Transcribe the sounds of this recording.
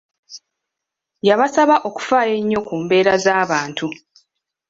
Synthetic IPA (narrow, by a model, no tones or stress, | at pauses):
jaβasaβaʔo̞ku̥faːjeɲːo̞kuːmbe̞ːɾazaːβaːntʰu